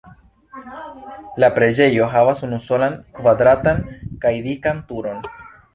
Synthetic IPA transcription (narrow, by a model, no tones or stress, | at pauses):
lapɾe̞d͡ʒe̞jo̞ɦavasunuso̞lankvad̪ɾatankajdikantuɾo̞n